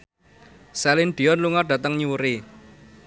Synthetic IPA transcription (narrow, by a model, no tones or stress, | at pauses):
sɛlɪnɖ̥i̤ɔnluŋarɖ̥ä̤t̪əŋɲuɾi